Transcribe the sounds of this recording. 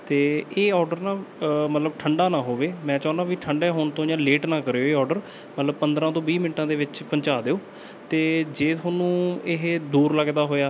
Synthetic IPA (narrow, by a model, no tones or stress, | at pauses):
t̪eːeːɔːɖəɾnaːmət̪ləbʈʰəɳɖaːnãːɦoːʋeːmɛ̃ːt͡ʃãːnãːʋiːʈʰəɳɖeːɦoːɳt̪õːd͡ʒãːleːʈnãːkəɾeːoeːɔːɾɖəɾ | mət̪ləbpənd̪ɾãːt̪õːbiːmɪnʈãːd̪eːʋɪt͡ʃpəɲt͡ʃaːd̪eːoː | t̪eːd͡ʒeːt̪ʰoːnũːɪɦd̪uːɾləɡd̪aːɦoːjaː